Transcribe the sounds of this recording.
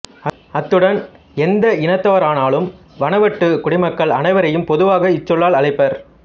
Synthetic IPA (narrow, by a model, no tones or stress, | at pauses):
ɐ | ɐt̪ːɯɽɐn | ɛnd̪ɐɪnɐt̪ːaːɐɾaːnaːɭɯm | ʋɐnɐʋɐʈːɯkʊɽɪmɐkːɐɭɐnɐɪʋɐɾɐjɯmpɔðɯʋaːɣɐɪt͡ʃːɔɭːaːɭɐɭɐɪpːɐɾ